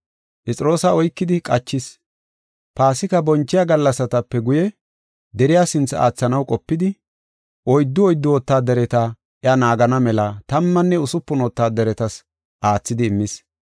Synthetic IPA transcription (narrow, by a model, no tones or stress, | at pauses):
pʼɛt͡sʼɪɾo̞ːsɐɔjkːɪd̪ɪkʼɐt͡ʃːɪs | paːsɪkɐbɔnt͡ʃːɪjaɡɐlːɐsɐt̪ɐpːɛɡʊjɛ | d̪ɛɾɪjaːsɪnt͡sːɐa̰ːt͡sːɐnɐwkʼɔpːɪd̪ɪ | ʔɔjd̪ːʊɔjd̪ːʊwɔt̪ːaːd̪ɛɾɛt̪ɐ | ʔɛɐnaːɡɐnɐmɛlɐt̪ɐmːɐnːɛʊsʊpːʊnɔt̪ːaːd̪ɛɾɛt̪ɐs | ʔaːt͡sːɪd̪ɪːmːɪs